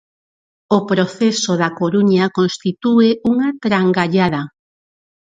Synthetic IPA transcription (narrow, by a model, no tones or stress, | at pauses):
opɾoθesoðakoɾuɲakonst̪it̪ueʔuŋat̪ɾaŋɡaʎaðɐ